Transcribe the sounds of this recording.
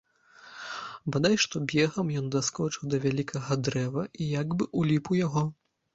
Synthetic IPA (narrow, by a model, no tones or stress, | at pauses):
bad̪ajʂt̪ɔbʲɛɣɐmjɔnd̪askɔt͡ʂɨwd̪ɐvʲalʲikʰɐɣɐd̪ɾɛvɐʔijaɡbɨʔulʲipuwjaɣɔ